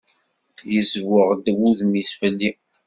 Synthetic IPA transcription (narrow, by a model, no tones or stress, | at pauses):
jəzwəʁd̪əwuðmisfəlːi